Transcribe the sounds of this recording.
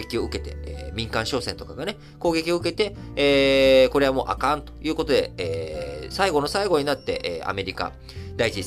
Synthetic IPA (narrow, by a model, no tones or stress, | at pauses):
ekʲio̞ɯ̟ke̞t̪e̞̰ːmʲĩŋkãɰ̃ɕo̞ːsent̪o̞kaɡane̞ | ko̞ːɡe̞kʲio̞ɯ̟ke̞t̪e̞ | eːko̞ɾe̞amo̞̰ːʔa̰kãnt̪o̞̥jɯ̟ːko̞t̪o̞d̪e̞̰eːsaiɡo̞no̞saiɡo̞ɲ̟inat̪ːe̞̰ʔḛːa̰me̞ɾʲika̰ | d̪ait͡ɕi